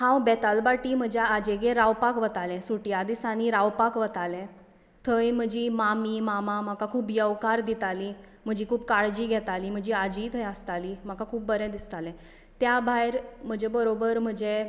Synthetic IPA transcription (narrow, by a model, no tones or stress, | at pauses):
hãwbɛt̪albaʈim̤əd͡ʑaad͡ʑeɡeɾawpakʋət̪alɛ̃suʈjad̪isaniɾawpakʋət̪alɛ̃ | t̪ʰəjm̤əd͡ʑimamimamam̤akakʰuːpjəʋkaɾd̪it̪ali | m̤əd͡ʑiːkʰuːbkaɭd͡ʑiːɡʱɛt̪aliːm̤əɡd͡ʑiad͡ʑit̪ʰəjəst̪alim̤akakʰuːp̚ːbəɾɛ̃d̪ist̪alɛ̃ | t̪jabʱajɾm̤əd͡ʑebəɾobəɾm̤əd͡ʑe